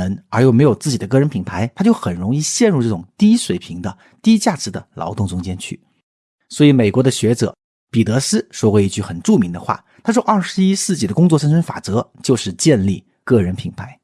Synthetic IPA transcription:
nə˞˧˥jo˥˩ʊm˧˥ɪjo˨˩ʊt͡sɹ̩˥˩t͡ɕi˨˩d̪ə˦kɤ˥˩ɻə˧˥npʰi˨˩ŋpʰa˧˥ɪt̪ʰa˥t͡ɕjo˥˩ʊxə˨˩nɻʊ˧˥ŋi˥˧ɕjɛ˥˧nɻu˥˧ʈ͡ʂɤ˥˩ʊ˨˩ŋt̪i˥ʂwe˨˩ɪpʰi˧˥ŋd̪ə˧ | t̪i˥t͡ɕja˥˩ʈ͡ʂɻ̩˧˥d̪ə˧lʔɑ̰˧˥ʊt̪ʊ˥˩ŋʈ͡ʂʊ˥ŋt͡ɕjɛ˥nt͡ɕʰy˥˩ | swɔ˧˥i˧˥me˨˩ɪkwɔ˧˥d̪ə˧ɕɥɛ˧˥ʈ͡ʂɤ̰˨˩˦ | pi˨˩t̪ɤ˧˥sɹ̩˥ʂwɔ˥kwe˧˥i˥˧t͡ɕy˥˩xə˨˩nʈ͡ʂu˥˩mi˧˥ŋd̪ə̰˧xwa̰˥˩ | t̪ʰa˥ʂwɔ˥˧ʔɐ˥˩ʂɻ̩˧˥i˥sɹ̩˥˩t͡ɕi˨˥˩d̪ə˦kʊ˥ŋt͡swɔ˥˧ʂ̬ə˥nʂʰə˥nfa̰˨˩t͡sɤ˧˥t͡ɕjo˥˧ʊʂɻ̩˥˧t͡ɕjɛ˥˧nli˥˧˩ | kɤ˥˩ɻə˧˥npʰi˨˩ŋpʰa˧˥ɪ

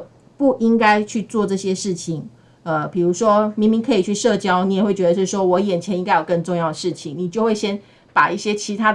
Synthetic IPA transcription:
pu˥˩ʔi˦˥ŋka˥ɪt͡ɕʰy˥˧t͡swɔ˥˧ʈ͡ʂɤ˥˩ɕjɛ˥ʂɻ̩˥˩t͡ɕʰi˨˩ŋ | ə˧pi˨˩ɻu˧˥ʂwɔ˥mi˧˥ŋmi˧˥ŋkʰɤ˧˥i˨˩t͡ɕʰy˥˧ʂɤ˥˧t͡ɕjɑ˥ʊni˨˥jwe˥˩ɪt͡ɕɥɛ˧˥d̪ə˧˩ʂ̩˥ʂ̩˥˩ʂwɔ˥wɔ˧˥jɛ˨˩nt͡ɕʰjɛ˧˥ni˥ŋka˥ɪjkə˥˧nʈ͡ʂo˥˧ŋjɑ˥˩ʊd̪ə˩ʂɻ̩˥˩t͡ɕʰi˨˩ŋni˨˩t͡ɕjo˥ʊwe˥˩ɪɕjɛ˥n | pa˨˩i˥˩ɕjɛ˦˥t͡ɕʰi˧˥t̪ʰa˦˥

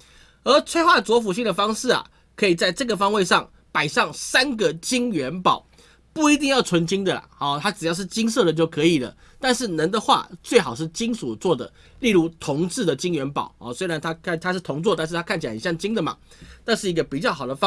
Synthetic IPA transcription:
ə˞˧˥t͡sʰwe˥ɪxwa˥˩t͡swɔ˧˥fu˨˩ɕi˥˩ŋd̪ə˩fɑ˥ŋʂɻ̩˥˩a̰˨˩ | kʰɤ˧˥i˨˩t͡sa˥˧ɪʈ͡ʂɤ˥˩ɡə˩fɑ˥ŋwe˥˧ɪʂɑ˥˩ŋ | pa˨˩ɪʂɑ˥˩ŋsa˥nɡə˨t͡ɕi˥ŋɥɛ˧˥npɑ˨˩˦ʊ | pu˥˩i˧˥t̪̬i˥˧ŋjɑ˥˩ʊt͡sʰwə˧˥nt͡ɕi˥ŋd̪ə˨lɐ̰˩ɔ˨˧˩t̪ʰa˥ʈ͡ʂɻ̩˨˩jɑ˥˧ʊʂ̬ɻ̩˥˩t͡ɕi˥ŋs̬ɤ˥˩d̪ə˩t͡ɕjo˥˩ʊkʰɤ˧˦i˨˩lə̰˦ | t̪a˥˧nʂɻ̩˥˩nə˧˥nd̪ə˧xwa̰˥˧t͡swe˥˩ɪxɑ˨˩ʊʂ̬ɻ̩˥˩t͡ɕi˥ŋsu˨˩t͡swɔ˥˩d̪ə̰˩ | li˥˩lu˧˥t̪ʰʊ˧˥ŋt͡sɻ̩˥˩d̪ə˩t͡ɕi˥ŋɥɛ˧˥npɑ̰˨˩ʊɔ̰˨˩swe˥ɪɻa˧˦nt̪ʰa˥kʰt̪ʰa˥ʂɻ̩˥˩t̪ʰʊ˧˥ŋt͡swɔ˥˧t̪a˥˧nʂ̬ɻ̩ʰ˥˩a˥kʰnt͡ɕʰi˨˩a˩˨˩jɑ˥˩ŋt͡ɕi˥ŋd̪ə˨˩ma̰˩ | t̪a˥˧nʂɻ̩˥˩i˧˥ɡə˧pi˨˩t͡ɕjɑ˥˩ʊxɑ˨˩d̪ə˦f

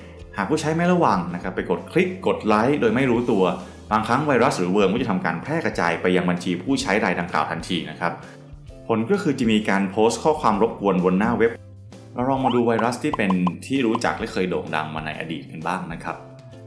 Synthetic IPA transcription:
haː˨˩k̚pʰuː˥˩t͡ɕʰa˦˥jma˥˩jɾa˦˥˩wa˧ŋna˦˥kʰa˦˥pːa˧jko˨˩t̪̚kʰli˦˥k̚ːo˨˩t̪̚la˦˥jdoː˧jma˥˩jɾuː˦˥t̪u˧ɐ | baː˧ŋkʰɾa˦˥ŋwa˧jɾa˦˥sɾɯː˩˦wɤː˧mʰ˥˩˨t̪ʰa˧mkaː˧npʰɾɛː˥˩kɾa˧t͡ɕa̰ː˧jpa˧jːa˧ŋba˧nt͡ɕʰiː˧pʰuː˥˩t͡ɕʰa˦˥jɾaː˧jda˧ŋklaː˨˩wt̪ʰa˧nt̪ʰiː˧na˦˥kʰɾa˦˥p̚ | pʰo˩˦nkɔː˥˩kʰɯː˧t͡ɕa˨˩miː˧kaː˧npʰoː˦˥st̚kʰɔː˥˩kʰwaː˧mɾo˦˥p̚ku˧ənwu˧nːaː˥˩we˦˥p̚ | ɾa˧wɾɔː˧ŋmaː˧duː˧wa˧jɾa˦˥st̪ʰiː˥˩pe˧nt̪ʰiː˥˩ɾuː˦˥t͡ɕa̰˨˩k̚lɛ˦˥˩kʰɤː˧jdoː˨˩ŋda̰˧ŋmaː˧na̰˧jʔa̰˧dḭː˨˩t̪̚ka˧nbaː˥˩ŋna˦˥kʰɾa˦˥p̚

